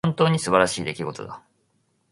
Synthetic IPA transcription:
õnt̪o̞ːɲ̟isɨbaɾaɕiːd̪e̞kʲiɡo̞t̪o̞̰d̪a

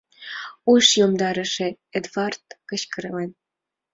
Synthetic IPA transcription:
ujʃjomd̪ɑɾə̆ʃĕ | ed̪vɑrt̪kəɕkəɾɤlen

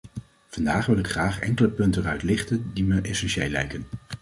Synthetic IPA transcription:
v̥ɑndaːχʋɪlˠɪkχraːχɛ̰ŋkələpɵntənœɥtlɪχtəndiməʔɛsɛnʃejlɛ̰jkən

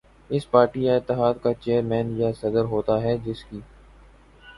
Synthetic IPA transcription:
ɪspaːɾʈijaɪt̪ːɪɦaːd̪kat͡ʃeːəɾmɛ̃ːnjasɐd̪əɾɦoːt̪aɦɛd͡ʒɪskiː

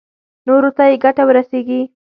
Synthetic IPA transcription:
noɾot̪ajeɡaʈawəɾaseɡi

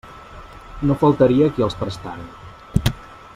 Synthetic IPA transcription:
nofəlˠt̪əɾiəkiəlˠspɾəst̪a̰ɾən

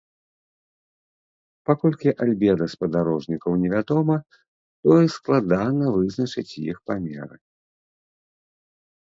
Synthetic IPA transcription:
pakɔlʲkʲiʔalʲbʲɛd̪ɐspɐd̪aɾɔʐnʲikɐwnʲɛvʲad̪ɔmɐ | t̪ɔisklˠad̪anɐvɨznɐt͡ʂɨt͡sʲjḭxpamʲɛ̰ɾɨ̰

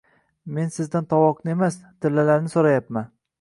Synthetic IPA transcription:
me̞nsɪzd̪ant̪ʰɒwɒqnɪe̞mast̪ʰɪɾlːalaɾnɪsoɾajapman

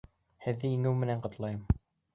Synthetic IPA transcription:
hɘ̆ðːɘjĭŋɘwmɘ̆næɴqŏt̪lˠɑjɤm

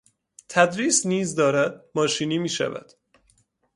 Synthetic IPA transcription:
t̪ʰæd̪ɾiːsniːzd̪ɒːɾæd̪̚mɒːʃiːniːmiːʃæ̰væ̰d̪̥

